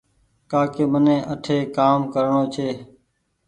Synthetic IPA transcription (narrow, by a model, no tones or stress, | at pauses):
kaːkeːmənẽːʔəʈʰeːkaːmkəɾɳoːt͡ʃʰeː